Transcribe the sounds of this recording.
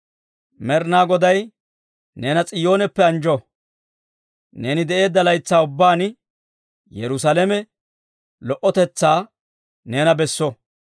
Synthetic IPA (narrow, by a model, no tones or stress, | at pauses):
mɛɾnaːɡɔd̪ɐj | neːnɐt͡sʼɪjo̞ːnɛpːɛɐnd͡ʒɔ | ne̞ːnɪd̪ɛʔe̞ːd̪ːɐlɐjt͡sːaːʊbːaːn | jɛɾʊsaːlɛmɛ | lɔʔɔt̪ɛt͡sːaː | neːnɐbɛsːɔ